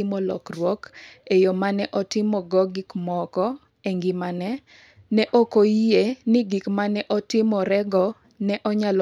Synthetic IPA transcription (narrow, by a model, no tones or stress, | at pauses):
ɪmɔlɔ̰krwɔkejomanɛʔɔtɪmɔɡɔɡikmɔkɔ | ɛŋɡɪmanɛ | nɛʔokoienɪɡikmanɛʔɔtɪmɔɾɛɡɔ | nɛʔɔɲal